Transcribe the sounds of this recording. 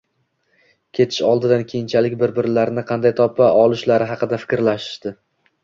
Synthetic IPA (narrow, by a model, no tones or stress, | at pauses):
kʲʰe̞t̪ʰɪ̥ʃɒlˠd̪ɪd̪ankʲʰejɪnt͡ʃʰalɪkʲbɪɾbɪɾlaɾnɪqʰɑnd̪ajt̪ʰɒpʰːaɒlˠɪʃlaɾɪɦɑqɨd̪afɪ̥kʲɾlaʃɪ̥ʃd̪̥ɪ